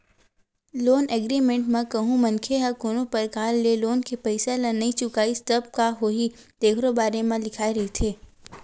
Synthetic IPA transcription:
loːnʔeɡɾimẽɳʈmẽkɐɦũmɐ̃nkʰeɦɐkoːnõpɐɾkaːlːeloːnkepəɪselɐnɐĩt͡ʃʊkaːɪst̪əb̚kaɦoːɦi | d̪̥eːkʰɾobaːɾemẽlɪkʰaːiɾɐɦit̪ʰeː

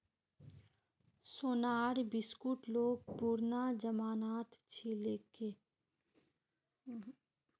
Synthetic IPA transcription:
soːnaːɾbɪskuʈloːɡ̚puːɾnad͡ʒəmaːnaːt̪t͡ʃʰileːke

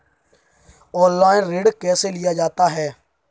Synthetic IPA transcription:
ɔ̃ːnlaːinɾeːɖkɛːseːlɪjaːd͡ʒaːt̪aːɦɛː

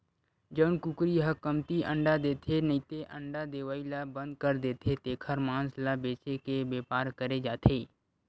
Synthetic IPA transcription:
d͡ʒənkʊkɾiɦəkəmt̪iʔə̃ɳɖad̪eːt̪ʰenəit̪eʔə̃ɳɖad̪eːʋaːilabə̃nd̪̚kəɾd̪eːt̪ʰet̪eːkʰəɾmãːnslabeːt͡ʃekebeːpaːɾkəɾed͡ʒaːt̪ʰeː

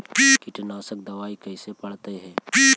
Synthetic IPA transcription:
piːkɪʈnaːsək̚d̪ɐʋaːikɐɪsepɐɽt̪eɦɛ̃ːpiː

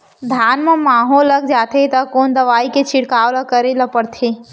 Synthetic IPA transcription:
d̪ʱaːnmẽmaːɦoːlːɐɡd͡ʒaːt̪ʰet̪ɐkoːnd̪ɐʋaːiket͡ʃʰɪɽkaːwləkəɾelɐpəɽt̪ʰeː

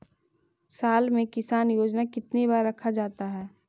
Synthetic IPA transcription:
saːlmẽkɪsaːnjoːd͡ʒnakɪt̪nibaːɾːɐkʰad͡ʒaːt̪aɦɛː

